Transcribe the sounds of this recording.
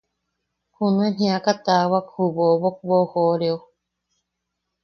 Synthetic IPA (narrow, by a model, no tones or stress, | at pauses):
hunẽnĩakat̪awakhuβoβok̚bohoɾeo